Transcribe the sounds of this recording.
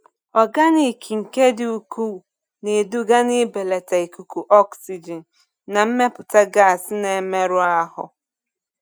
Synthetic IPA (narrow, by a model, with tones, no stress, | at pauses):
ɔ˨ɡa˦ni˦˨kʰi˨ŋ̩˨ke˦dɪ˦u˦ku˦˨ | ne˨du˦ɡa˦nɪ˦be˨le˨ta˨i˨ku˨ku˨ʔɔ˦ksi˨d͡ʒi˨n̩˨ | na˨m̩˦me˦pʊ˨ta˦ɡa˦˨sne˨me˦ɾʊ˦a˦ɦʊ̰˨